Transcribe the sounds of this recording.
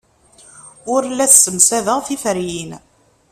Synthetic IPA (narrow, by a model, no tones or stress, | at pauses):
ʊɾlːæθsəmsæðəʁθifəɾjin